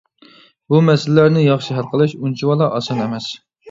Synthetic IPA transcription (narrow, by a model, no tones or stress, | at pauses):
bumɛsɪlɪlæɾnɪjɑχʃiɦælˠqəlˠɨʃunt͡ʃʰiwɑlˠɑʔɑsɑnɛmɛs